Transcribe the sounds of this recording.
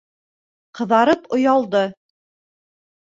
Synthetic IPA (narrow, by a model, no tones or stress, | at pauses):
qɤ̆ðɑɾɤpŏjɑlˠd̪ɤ